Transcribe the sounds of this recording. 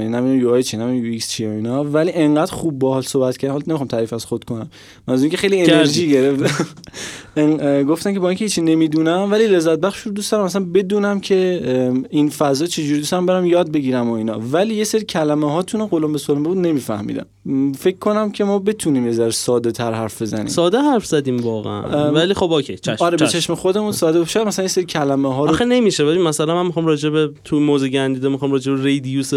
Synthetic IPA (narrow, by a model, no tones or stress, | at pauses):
inæmid̪imjuæjt͡ʃʰinæmijuikst͡ʃʰioinɒvæliːʔeŋɢæd̪̥xub̚ːɒhɒːlsobæt̪̚cʰæɾd̪mhɔlnemixɑmt̪ʰæɾiːfæz̥xod̪̥kʰonæmː | ænzuziŋcʰexe̞jlieneɾʒiːɡeɾeft̪æ | ɡoft̪æmcʰe̞bɒːiːŋcʰehiːt͡ʃʰine̞miːd̪uːnæmvæliːle̞zːæt̪̚bæχʃuɾod̪ust̪ɒɾæmæsænbe̞d̪uːnæmcʰe̞ | infæzɒːt͡ʃʰe̞d͡ʒuɾiːust̪ɒɾæmbeɾæmjɒːd̪̚be̞ɟiːɾæmoiːnɒ̰ːvæliːjeseɾicʰælæmeɦɒːt̪ʰuneɢolombesolmbebuːd̪ne̞miːfæ̰hmḭːd̪æ̰m | fecʰːo̞næmcʰe̞mɒːbe̞t̪ʰuniːmezæɾsɒːd̪et̪ʰæɾɦæɾfbe̞zæ̰nḭːsɒːd̪eɦæɾfz̥æd̪iːmvɒːɣḛʔæ̰nvæliːxobokʰejt͡ʃʰæʃɒɾeet͡ʃʰeʃmexo̞d̪e̞muːnsɒːd̪ebeʃd̪mæslænjeseɾicʰælæmeɦɒːɾoxine̞miʃevæimæsælænmænmixɑːmɾɒːd͡ʒebet̪ʰumoːzeɡænd̪iːd̪emixɒːmɾɒːd͡ʒebeɾejd̪ijuse